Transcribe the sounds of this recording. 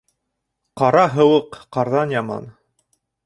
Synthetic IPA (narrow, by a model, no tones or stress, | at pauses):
qɑɾɑɦɤ̆wɤqːɑɾðɑnjɑmɑ̰n